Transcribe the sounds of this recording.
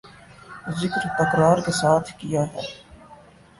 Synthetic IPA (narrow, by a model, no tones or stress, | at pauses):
zɪkɾt̪ɐkɾaːɾkesaːt̪ʰkijaɦɛː